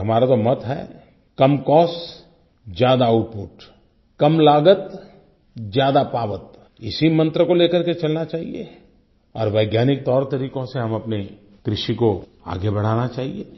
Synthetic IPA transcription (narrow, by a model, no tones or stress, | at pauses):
ɦɐmaːɾat̪omɐt̪ɦɛ̰ː | kɐmkɔːs | d͡ʒjaːd̪aʊpuːʈ | kɐmlaːɡət̪ | d͡ʒjaːd̪apaːʋət̪ | ɪsimɐ̃nt̪ɾəkoleːkəɾket͡ʃɐlnat͡ʃaːɦḭḛ | ɔ̰ːɾʋɐːɡjaːnɪk̚t̪ɔːɾt̪ɐɾiːkõseɦɐmɐpne | kɾɪʃiko | a̰ːɡebɐɽ̤aːnat͡ʃaːɦḭe